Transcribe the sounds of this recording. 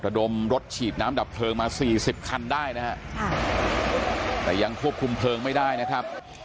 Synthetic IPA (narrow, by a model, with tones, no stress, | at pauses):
ɾa˧do˧mɾo˦˥t̪̚t͡ɕʰiː˨˩t̪̚naː˦˥mda˨˩pʰlɤː˧ŋmaː˧siː˨˩si˨˩p̚kʰa˧ndaː˥˩jna˦˥hɛ˦˥˧ | t̪ɛ̰ː˨˩ja˧ŋkʰu˥˩əp̚kʰu˧mpʰlɤː˧ŋma˥˩jdaː˥˩jna˦˥kʰɾa˦˥p̚